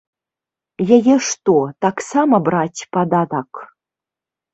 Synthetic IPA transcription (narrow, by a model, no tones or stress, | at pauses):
jajɛʂt̪ot̪aksamɐbratʲpad̪ad̪ak